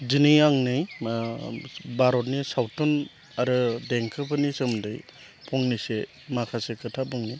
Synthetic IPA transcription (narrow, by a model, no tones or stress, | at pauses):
zinijaŋnɯj | baɾɔt̚nisawtʰɔn | aɾɯdeŋkʰɯpʰɯnisɯmdɯj | pʰɔŋnise | makʰasekʰɯtʰapɔŋnij